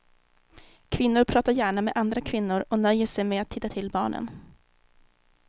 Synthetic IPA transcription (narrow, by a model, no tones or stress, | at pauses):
kʰvɪnːʊɾpʰɾɑːt̪aɾjæːɳamɛd̪ʔand̪ɾakʰvɪnːʊɾɔnœjːəʂɛjmɛːat̪hɪt̪ːat̪ʰɪlːbɑːɳə̰n